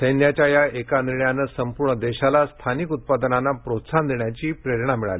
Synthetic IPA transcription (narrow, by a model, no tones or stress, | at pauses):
səjnjat͡ɕjajaʔekaniɾɳjanəsəmpuɾɳəd̪eɕalast̪ʰanikut̪̚pad̪nanːapɾot̪sand̪eɳjat͡ɕiːpɾeɾɳamiɭa̰li